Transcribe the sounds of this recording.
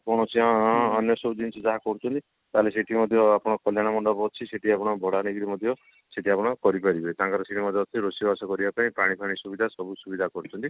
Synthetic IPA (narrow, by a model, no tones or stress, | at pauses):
kɔɽ̃ɔt͡ʃʰiaɦːnjɔsɔbud͡ʒint͡ʃʰid͡ʒaɦakɔɾut͡ʃʰɔnt̪i | t̪aɦleseʈimɔd̪ʱjɔapɔɽ̃ɔkɔljaɽ̃amɔɳɖɔbɔt͡ʃʰiseʈiapɔɽ̃ɔbʱɔɽaɽ̃iɡɾimɔd̪ʱjɔ | seʈiapɔɽ̃ɔkɔɾipaɾibʱɔit̪ãːŋkaɾɔseʈimɔd̪ʱjɔt̪ʰiɾosibasɔkɔɾibapaĩpaɽ̃ipʰaɽ̃isubid̪ʱasɔbusubid̪ʱakɔɾut͡ʃʰɔnt̪i